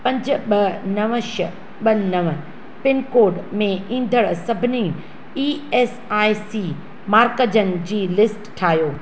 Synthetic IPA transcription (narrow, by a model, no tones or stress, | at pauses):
pɐ̃ɲd͡ʑʱʊ̆ɓɐnɐʋəʃə | ɓɐnɐʋə | pɪnkoːɖmẽĩːnd̪ʱəɽsɐbʱɪni | ieːs | aːisiː | maːɾkəd͡ʑənɪ̆d͡ʑiːlɪsʈʈʰaːɦjoː